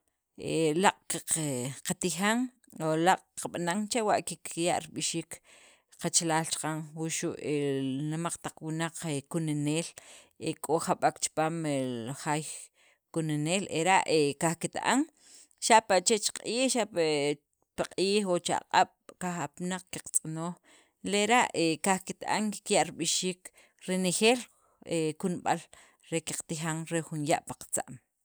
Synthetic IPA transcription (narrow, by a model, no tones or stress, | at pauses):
elaqʼaqat̪ixaŋ | olaqʼqaɓanaŋt͡ʃewaʔkikʰija̰ʔɾiɓiʃiːk | qat͡ʃalaːlt͡ʃḁqaŋwuʃuʔenimaq͡χt̪aq͡χwinaq͡χekuneneːlekʼoχaɓakt͡ʃpaːmeχaj | kuneneːleɾaʔekaχkit̪a̰ʔa̰ŋ | ʃaʔpaʔt͡ʃet͡ʃqʼiːxʃaʔ | paqʼiːχot͡ʃa̰qʼaɓ̥kaχapnaq͡χki̥qt͡sʼanoːχ | leɾaʔekaχkit̪a̰ʔaŋki̥kjaʔɾiɓiʃiːk | ɾenexeːl | ekunɓa̰l | ɾeki̥qt̪ixaŋɾexunjaʔpḁqt͡sa̰ʔm